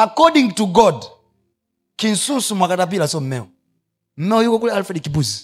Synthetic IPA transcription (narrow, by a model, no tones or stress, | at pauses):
akɔdĩŋtuɡɔd | kĩn̩susumwakatap̬ilasɔm̩mɛ̰ɔ | m̩mɛɔjukɔkulɛalfadikibuzi